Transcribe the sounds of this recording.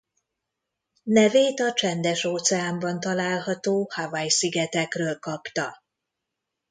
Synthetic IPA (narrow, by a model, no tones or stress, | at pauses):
nɛveːt̪ɒt͡ʃɛnd̪ɛʃoːt̪sɛaːmbɒnt̪ɒlaːlɦɒt̪oːhavɒjsiɡɛt̪ɛkrøːlkɒpt̪ɒ